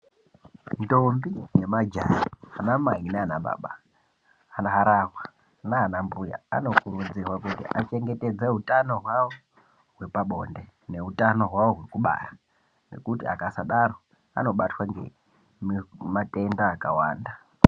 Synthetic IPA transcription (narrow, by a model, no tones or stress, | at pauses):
ndo̞mbije̞mad͡ʒajianamainaanaɓa̰ːɓaː | naɦaɾaɦwa | naːnambuja̰a̰no̞kurud͡zirwakutḭʔat͡ʃe̞ŋɡe̞te̞d͡zeɦutano̞ɦwawo | ɦwe̞paɓo̞̰nde̞ | ne̞ɦutano̞ɦwawoɦwekuɓa̰ja | ne̞̰kutia̰kasaɗaɾo | a̰no̞ɓatwaŋɡe̞̰ | mmate̞ndaːkawa̰ːnda